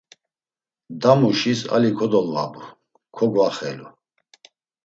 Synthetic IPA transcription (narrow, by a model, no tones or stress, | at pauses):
d̪amuʃisa̰likʰɔd̪ɔlva̰bu | kʰɔɡwaχɛlu